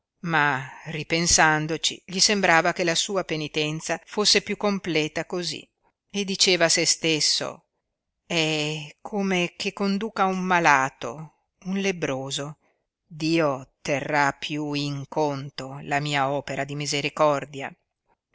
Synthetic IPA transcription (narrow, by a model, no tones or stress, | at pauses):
maripensand̪ot͡ʃḭʎisembɾaːvakelasuːapenit̪ɛnt̪safosːepjukːomplɛːt̪akozḭ | ed̪it͡ʃeːvasest̪esːo̰ | ɛkʰomekekːond̪uːkaumːalaːt̪o̰ | unlebɾoːzo | d̪iːot̪erːapʰːjuiŋkont̪olamiːaɔːpeɾad̪imizeɾikɔrd̪ja̰